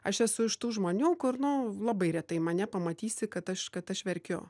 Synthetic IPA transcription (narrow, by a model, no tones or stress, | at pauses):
ɐʃɛsʊɪʃt̪uːʒmoːnʲuːkʊɾnʊlˠɐbɐɪɾʲɛt̪ɐɪmɐnʲɛpɐmɐt̪ʲiːsʲɪkɐt̪ɐʃkɐt̪ɐʃʋʲɛɾʲkʲo̰ː